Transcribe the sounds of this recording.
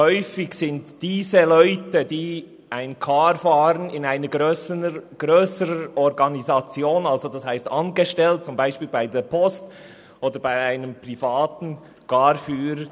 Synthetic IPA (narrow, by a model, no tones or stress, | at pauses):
hɔʏfɪçsɪntd̥iːzəlɔʏtədiː | ʔaɪnkʰaːɾfaːɾənɪnaɪnəɡøɡ̥ɾøːsəɾəʔɔɾɡɑnizɑt͡sjoːnɑlzodɑshaɪstɑnɡəʃtɛlt̚t͡sʊmbaɪʃpiːlbaɪdeːpʰɔst | ʔoːdəɾbaɪaɪnəmpʁ̥ifaːtn̩ | ɡ̥ɑːɾfyːɾə